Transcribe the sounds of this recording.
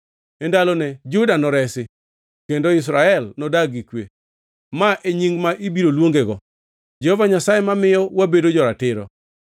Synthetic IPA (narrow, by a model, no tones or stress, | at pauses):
ɛndalɔnɛd͡ʒʊdanɔɾɛsɪ | kendoɪs̬ɾaɛlnɔdaɡikwe | maʔeɲiŋɡmaʔibiɾolwoŋɡeɡɔ | d͡ʒɛhɔvaɲasajɛmamɪjɔwabedod͡ʒɔɾatɪɾɔ̰